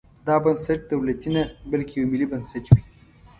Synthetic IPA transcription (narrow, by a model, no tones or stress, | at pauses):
d̪ɑbɐnsɐʈ̚d̪awlat̪inabalkʰejawmɪlibɐnsɐʈwi